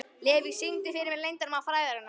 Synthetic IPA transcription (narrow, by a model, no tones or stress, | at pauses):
lɪːvisiŋt̪ɪfɪɾɪɾmɛðlejnt̪anmawfɾaːjðaɾɪnːa